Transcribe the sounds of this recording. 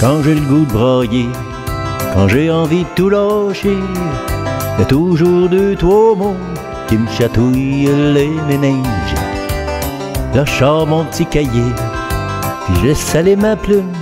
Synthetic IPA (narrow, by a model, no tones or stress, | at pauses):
kɑ̃ʒeləɡud̪əbʁɑje | kɑ̃ʒeɑ̃vid̪ət̪ulɑʃe | jat̪uʒuːʁd̪yt̪womɔ̃ | kʲiməʃat̪ujlemenɛ̃ʒḛ | laʃɑʁmɔ̃pət̪ikʲaje | piʒəlɛsalemaplym